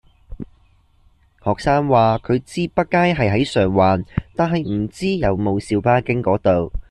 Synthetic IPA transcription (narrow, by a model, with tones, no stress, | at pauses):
hɔː˨k̚saː˥ŋwaː˨kʰɵ˨˧ɥt͡siː˥pɐ˥t̚kːaː˥jɦɐ˨jɦɐ˨˥jsœː˨˩ŋwaː˨nt̪aː˨nɦɐ˨jm̩˨˩t͡siː˥jɐ˨˧wmo˨˧wsiː˨˧wpaː˥kɪ˥ŋkɔː˨˥t̪o˨w